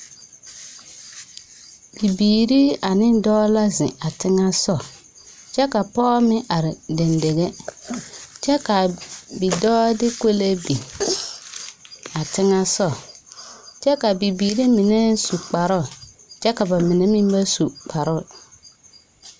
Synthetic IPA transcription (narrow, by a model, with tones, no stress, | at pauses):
bi˨biː˨ɾi˦a˨nɪ̃˦dɔː˦la˦zɪ˨a˨tɪ˦ŋa˦sɔ˦˨ | t͡ʃɛ˦ka˨pɔː˦mɪ˦ʔa˨ɾɪ˨dɛ˨nde˨ɣe˦ | t͡ʃɛ˦ka˨bi˨dɔː˦dɪ˦ko˦le˦bi˨ | a˨tɪ˦ŋa˦sɔ˦˨ | t͡ʃɛ˦ka˨bi˨biː˨ɾi˦mi˨ne˦su˨k͡pa˨ɾʊ˦˨ | t͡ʃɛ˦ka˨ba˨mɪ˨ne˦mĩ˦m˦ba˦su˨k͡pa˨ɾʊ˦˨